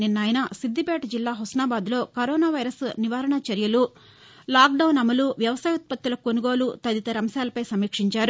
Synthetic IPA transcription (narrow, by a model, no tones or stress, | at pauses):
ninːɐːjnɐsid̪ʱːipɛːʈɐd͡ʒilːaːɦɔsnaːbaːd̪lo̞ːkɐɾɔːnaːʋɐjɾɐsniʋaːɾɐɳɐt͡ʃɐɾjɐlu | laːk̚ɖɐwnɐmɐluʋjɐʋɐsaːjut̪̚pɐt̪julɐkonuɡo̞ːlut̪ɐd̪it̪ɐɾɐmɐsaːlɐpɐjsɐmiːkʂiɲt͡ʃaːɾu